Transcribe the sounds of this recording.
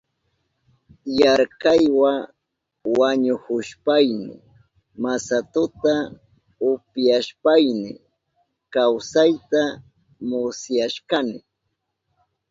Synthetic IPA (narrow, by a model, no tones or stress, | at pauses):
jaɾkɑjwa | waɲʊhʊʃpajnɪ̰ | masat̪ʊt̪a | ʊpjaʃpajnɪ | kawsajt̪a | mʊsjaʃkɑnɪ